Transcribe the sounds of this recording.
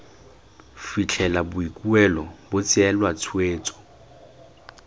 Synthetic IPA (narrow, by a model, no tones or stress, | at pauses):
fit͡ɬʰɛlabʊikʼuɛlɔbʊt͡sʼɪɛlwat͡sʰweːt͡sʼɔ̥